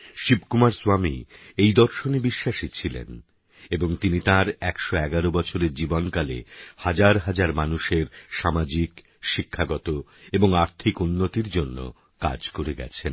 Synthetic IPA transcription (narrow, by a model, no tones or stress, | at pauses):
ʃibkumaɾsuamḭejd̪ɔɾʃonebiʃːaʃit͡ɕʰilḛn | eboŋt̪init̪ãɾɛkʃoɛɡaɾobɔt͡ɕʰoɾeɾd͡ʑibonkalḛhad͡ʑaɾɦad͡ʑaɾmanuʃeɾʃamad͡ʑik | ʃikʰːaɡɔt̪o | eboŋaɾt̪ʰikunːot̪iɾd͡ʑonːo̰ | ka̰d͡ʑkoɾeɡɛ̰t͡ɕʰen